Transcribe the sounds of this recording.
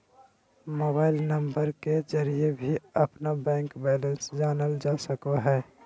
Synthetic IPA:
moːbaːɪlnəmbəɾked͡ʒəɾijebʱiəpnabɛ̃ːŋkbɛlə̃nsd͡ʒaːnəld͡ʒaːsəkaɦɛː

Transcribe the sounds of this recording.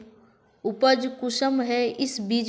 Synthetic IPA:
ʊpəd͡ʒkʊʃəmɦɛʔɪsbiːd͡ʒ

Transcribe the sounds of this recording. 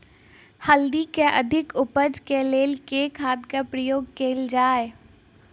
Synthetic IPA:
həld̪ikeʔɐ̰d̪ʱɪkʊpəd͡ʒkeleːlkekʰaːd̪kapɾəjoːɡ̚keːld͡ʒaːe

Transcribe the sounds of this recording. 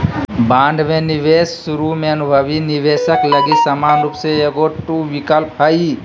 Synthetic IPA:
bãːɳɖmẽnɪʋeːsːʊɾumẽɐnʊbʱəʋinɪʋeːʃəkləɡisəmaːnɾupseeɡoʈuʋɪkəlpɦəi

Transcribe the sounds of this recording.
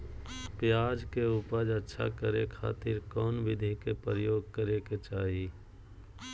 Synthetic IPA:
pjaːd͡ʒkeuːpəd͡ʒətːʃʰa̰kəɾekʰa̰ːt̪ɪɾkɔːnʋɪd̪ʱikepəɾjoːɡkəɾeket͡ʃaːɦi

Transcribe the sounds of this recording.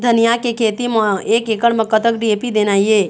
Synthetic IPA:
d̪ʱɐnijakekʰeːt̪imeːkeːkəɽməkːət̪əkɖieːpid̪eːnaːieː

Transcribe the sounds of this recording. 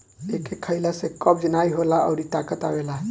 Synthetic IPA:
ekekʰəjlasekɔb̚d͡ʒnajɦolaə̰wɾit̪akət̪awela

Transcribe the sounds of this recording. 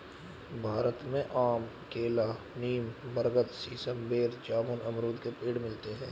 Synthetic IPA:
bʱaːɾət̪mẽʔaːm | keːla | niːmbəɾɡət̪siːsəmbeːɾd͡ʒaːbʊnɐmɾuːd̪kepiːɽmɪlt̪eɦɛ̃ː

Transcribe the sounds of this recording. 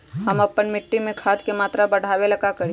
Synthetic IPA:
ɦɐmɐpənmɪʈːimẽkʰaːt̪kemaːt̪ɾabɐɽ̤ʱaːwelɐɡakɐɾi

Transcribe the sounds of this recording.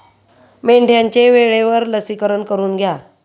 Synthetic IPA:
meɳɖʱjãɲt͡ɕeʋeɭeʋəɾləsikəɾəɳkəɾuːnɡʱja

